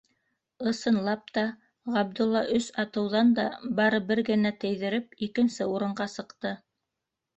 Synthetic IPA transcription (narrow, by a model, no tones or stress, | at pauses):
ɤ̆sɤ̆nlˠɑp̚t̪ɑ | ʁɑb̚d̪ulˠːɑʔɵsɑt̪ɤ̆wðɑnd̪ɑ̰bɑɾɤbɘɾɡɘ̆næt̪ɘ̆jðɘ̆ɾɘpikɘ̆nsɘuɾɤ̆ɴɢɑsɤ̆qt̪ɤ